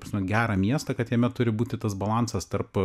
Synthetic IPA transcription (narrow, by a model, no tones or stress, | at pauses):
pɐsʲmʲɛnɡʲæːɾɐmʲiɛst̪ɐkɐt̪jɛmʲɛt̪ʊɾʲɪbuːt̪ʲɪt̪ɐsbɐlˠɑnsɐst̪ɐrp